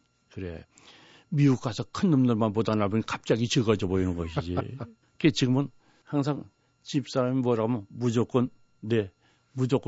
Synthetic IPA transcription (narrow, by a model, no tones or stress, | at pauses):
kɯɾe̞̰ | miuk͈asʰʌkʰɯnːɯmnʌɭmanpodanaboɲikap̚t͡ɕ͈aɡit͡ɕɯɡʌd͡ʑʌboinɯnɡʌɕʰd͡ʑḭ | ket͡ɕiɡɯmɯn | haŋs̬ʰaŋ | t͡ɕip̚s͈aɾamimwʌɾamomud͡ʑok͈ɯnː | e̞ | mud͡ʑok͈